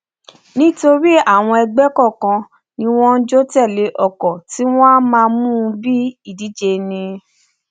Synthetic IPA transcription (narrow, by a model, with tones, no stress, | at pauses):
nĩ˦to˧ɾi˦a˦˨w̃ɔ̃˧ɛ˧ɡ͡bɛ˦kɔ˦˨kã˧ | nĩ˧w̃ɔ̃˦n̩˦d͡ʒo˦tɛ˦˨le˧˦ʔɔ˨kɔ˨ti˦w̃ɔ̃˦a˦mãː˧mũ˦˧bi˦i˦˨di˨˦d͡ʒe˧nĩ˧